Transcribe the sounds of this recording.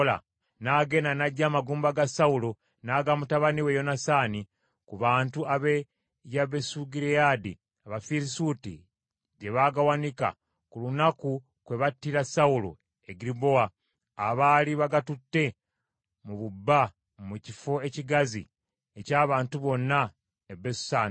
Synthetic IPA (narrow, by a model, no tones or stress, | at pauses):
la̰ | naːɡe̞nanaɟːaːmaɡuːmbaɡasaulo | naːɡamutaβaniwe̞jo̞nasaːni | kuβaːntuʔaβe | jaβesuɡiɾeadi | aβafiɾisutḭ | ɟe̞βaɡawanika̰ | kulunaku | kwe̞βatːiɾasaulo̰ | eɡiɾibo̞aː | βaːliβaɡatutːe̞ | muβubːa | mucifo̞e̞ciɡazḭ | ecaːβaːntuβo̞nːa | ebesu̥saːni